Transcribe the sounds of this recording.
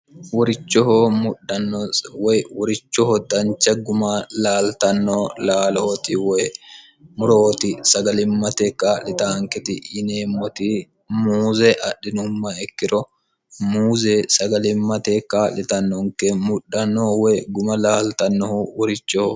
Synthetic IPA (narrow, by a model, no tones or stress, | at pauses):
wɔɾɪt͡ʃːɔhomʊɗɐnːwɔjwɔɾɪt͡ʃːɔhɔd̪ɐnt͡ʃːɐɡʊmɐlaːlt̪ɐnːɔlaːloːt̪ɪwɔj | mʊɾoːt̪ɪsɐɡɐlɪmːɐt̪ɛkːalɪt̪aːŋkɛt̪ɪːneːmːɔt̪ɪ | muːzɛʔɐɗːɪnʊmːɐɛkːɪɾɔ | muːzɛsɐɡɐlɪmːɐt̪ɛkːalɪt̪ɐnːɔŋkɛmʊɗːɐnːɔwɔjɡʊmɐlaːlt̪ɐnːɔhʊwɔɾɪt͡ʃːɔho